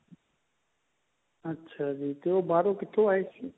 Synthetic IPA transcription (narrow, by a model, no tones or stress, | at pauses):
ətːʃʰaːd͡ʒiːt̪eːoːbaːɾoːkɪt̪ʰoaːɦeːsiː